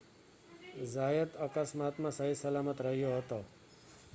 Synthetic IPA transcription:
zajət̪əkəsmat̪mãsəɦisəlamət̪ɾəɦijoɦət̪o

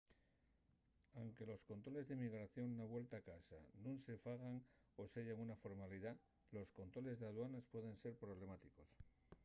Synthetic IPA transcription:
awŋke̞lo̞sko̞nt̪ɾo̞le̞zðemiɣɾaθjo̞nːaβwe̞lt̪aːkasa̰nũnse̞faɣaŋ | o̞seʝaŋunafo̞ɾmaliða | lo̞sko̞nt̪ɾo̞le̞zðeaðwanespwe̞ðe̞nse̞ɾpɾo̞β̞le̞mat̪iko̞s

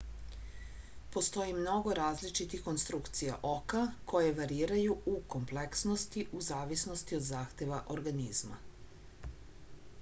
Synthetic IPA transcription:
po̞st̪o̞jimno̞ɡo̞ɾaːzlit͡ʃit̪ixko̞nst̪ɾukt̪sija̰ʔo̞kakʰo̞jeʋaɾiːɾajuuko̞mpleksno̞st̪iʔuzaːʋisnost̪io̞d̪zaːxt̪e̞ʋaʔoɾɡanizma̰

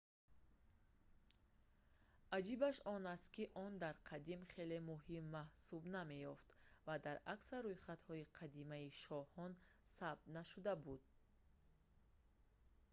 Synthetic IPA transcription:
ʔad͡ʒibaʃɔnast̪kiʔɔnd̪aɾqʰad̪imχe̞le̞muhimːahsubname̞jɔft̪vad̪aɾaksaɾːojχat̪hɔiqʰad̪imaiʃɔhɔn | sab̚d̪naʃud̪abud̪̚

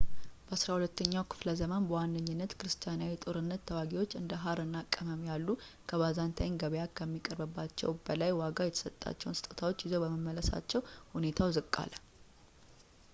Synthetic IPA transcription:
b̥əasɾahulət̪ːəɲːawkʰɨ̥fləzəmanbəwanːɨɲːɪnːət̪kʰɨɾɨst̪ʰijanawit̪ʼoɾɨnːət̪ʰːəwaɡiwo̞t͡ʃːɨnd̪əɦaɾɨnːakʼːəməmjalːu | kʰəβazant̪ʰajnɡəβjakʰːəmːikʼəɾbəbːat͡ʃːɛ̰wbəlajwaɡajɛt̪ʰə̥sət̪ʼːa̰t͡ʃːɛwnsɨ̥t̪ʼət̪ʰawo̞t͡ʃːjɪzowbəməmːələsa̰t͡ʃːɛwhune̞t̪ʰawzɨkʼːa̰l

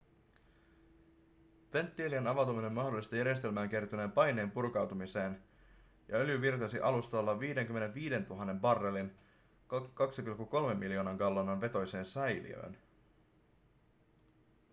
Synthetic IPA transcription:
ʋe̞nt̪ːielienɑʋɑwt̪umine̞nmɑɦdolːˑist̪ɑjæɾjest̪e̞lmæːŋk̟ert̪une̞ːmpɑjne̞ːmpurkɑwt̪umise̞ːn | jɑø̞ljyʋirt̪ɑsiʔɑlust̪ɑlːɑʋiːde̞ŋkymːene̞ʋʋiːde̞nt̪uɦɑnːe̞mbɑrːe̞lin | kkɑksipilkːuko̞lme̞mːiljo̞ːnɑŋɡɑlːonɑnʋe̞t̪o̞jse̞ːnsæjlḭø̰ːn

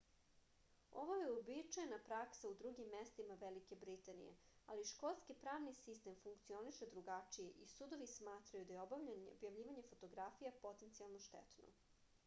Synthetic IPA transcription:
o̰ʋojeobit͡ʂajnapɾaksaud̪ɾuɡimːest̪imaʋelike̞bɾit̪anḭjḛa̰liʃko̞lˠskipɾaːʋnisist̪e̞mfuŋkt̪sio̞niʃed̪ɾuɡat͡ʂije̞ʔisud̪o̞ʋismaːt̪ɾajud̪ajeobobjaʋʎiːʋaɲe̞fot̪o̞ɡɾafijapo̞t̪ent̪sialˠnoʃt̪ḛt̪no̰

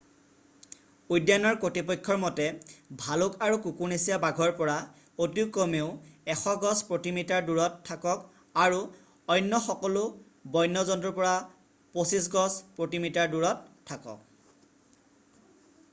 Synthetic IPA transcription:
ujdjanɔɹkotipɔjkʰːɔɹmɔtɛbʱalʊkaɹukukuɹnisijabaɡʱɔɹpɔɹa | otukːɔmeʊɛxɔɡɔspɹotimitaɹduɹɔtʰːakɔk | aɹu | ɔjnːɔxɔkɔlʊ | bɔjnːɔzɔntɹɔpɔɹa | posisɡɔspɹotimitaɹduɹɔtʰːakɔ̰k̚

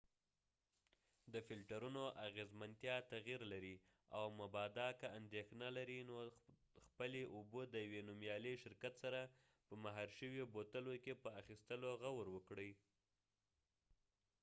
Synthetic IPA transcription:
d̪əfɪlʈaɾunoʔaɣezmant̪jɑt̪aɣiɾlaɾi | a̰wmʊbɑd̪ɑkaand̪exnalaɾinoxpəleʔubod̪əjawenumjɑleʃɪɾkat̪saɾa | pəmaɦɑɾʃəwjobot̪əlokepəaxist̪əloɣawɾwəkɽəj

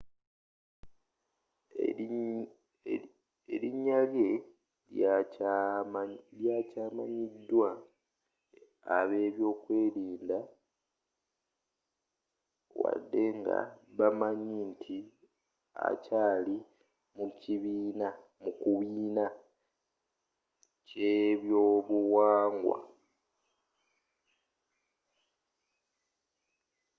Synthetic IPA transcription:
eɾiɲːalje̞ | ljaːcaːma̰ɲidːwa | βe̞ːβjo̞ːkwe̞ːɾiːnda | wa̰dːe̞ŋɡa̰βamaɲintʰi | a̰caːli | muciβiːna | mukuβiːna | ceβjoːβuwaːŋɡwa̰

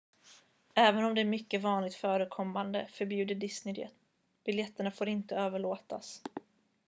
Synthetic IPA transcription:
ɛːvənɔmd̪ɛæɾmʏkːəvɑːnlɪɡ̚t̪fœːɾəkʰɔmːand̪ə̰fœɾbjʉ̟ːd̪əɖɪsnɪd̪ɛ̰t̪ | b̥ɪljɛt̪ːəɳafoːɾɪnt̪əøːvəɭoːt̪a̰s

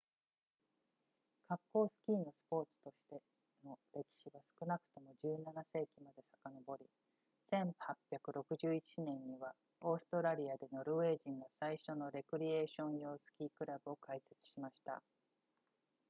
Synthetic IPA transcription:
kʰakːo̞ːsɨ̥kʲiːno̞sɨ̥po̞ːt͡sɨ̥t̪o̞ɕi̥t̪e̞ | no̞ɾe̞kʲi̥ɕiɡasɨ̥kɯ̟nakɯ̟̥t̪o̞mo̞ʑɨːnanase̞ːkʲimad̪e̞sḁkano̞bo̞ɾʲi | sẽ̞ɴ̃hapʲːjakɯ̟ɾo̞kɯ̟ʑɨːit͡ɕinẽ̞ɲ̟ːiβa | o̞ːsɨ̥t̪o̞ɾaɾʲiad̪e̞no̞ɾɯ̟βe̞ːʑĩŋɡasaiɕo̞no̞ɾe̞kɯ̟ɾʲie̞ːɕõ̞ɰ̃jo̞ːsɨ̥kʲiːkɯ̟ɾabɯ̟o̞kaise̞t͡sɨ̥ɕimaɕi̥t̪a̰

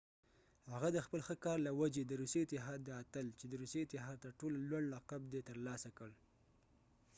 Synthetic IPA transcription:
haɣad̪əxpəlxəkɑɾlawad͡ʒed̪əɾuseɪt̪ɪɦɑd̪ːəat̪əlt͡ʃed̪əɾuseɪt̪ɪɦɑd̪̚t̪aʈolalwaɳɖɾaqab̚d̪et̪əɾlɑsakəɽ

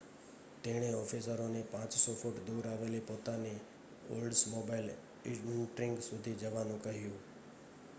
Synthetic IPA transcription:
t̪eɽ̃eɔːfʰisəɾonepãːt͡ʃsɔfʊʈd̪uːɾaːʋeːlepoːt̪ane | o̰ːlɖsmoːbaɪl | ɪɪʈɾɪŋɡsʊd̪ʱid͡ʒəʋaːnũkəɦjũː

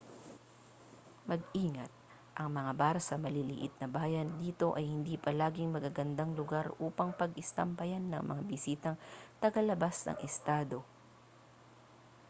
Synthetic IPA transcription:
mɐɡ̚ʔiːŋɐt̪̚ | ʔɐŋmɐŋabaːɾɐsɐmɐlilɪ̰ʔɪt̪̚nɐbaːjɐnd̪iːt̪o̞ʔɐjhɪnd̪iːpɐlaːɡɪŋmɐɡaɡɐnd̪aŋlʊɡaɾʔuːpɐŋpɐɡɪst̪ɐmpɐjanːɐŋmɐ̰ŋabɪsiːt̪ɐŋt̪ɐɡɐlɐbasnɐ̰ŋʔɛst̪aːd̪o̞

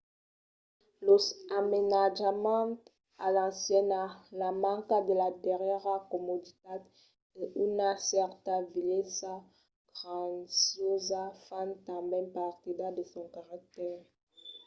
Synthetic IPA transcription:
loamenaʒamɑ̃t | alɑ̃sjɛnalamɑ̃ŋkad̪əladɛʁjɛʁakɔmod̪it̪at̪ | eʔynasɛʁt̪avilesa | ɡ̥ʁãsjozafant̪ãbɛ̃npaʁt̪id̪ad̪əsɔ̃kaʁak̚t̪ɛʁ

